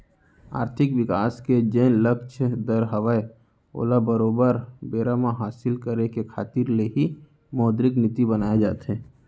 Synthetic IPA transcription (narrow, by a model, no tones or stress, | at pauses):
a̰ːɾt̪ʰɪkwɪkaːsked͡ʒeːnləkʃʰd̪əɾɦəʋəe | o̰ːlabəɾoːbəɾbeːɾamãɦaːsɪlkəɾekekʰaːt̪ɪɾleɦi | mɔːd̪ɾɪknɪt̪ibənaːed͡ʒaːt̪ɦɛ̃ː